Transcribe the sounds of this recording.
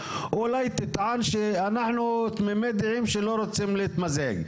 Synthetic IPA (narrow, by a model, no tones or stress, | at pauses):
ʔulajt̪ɪt̪ʕanʃeanaħnut̪memed̪ʕimʃeloɾot͡simlit̪mazheɡ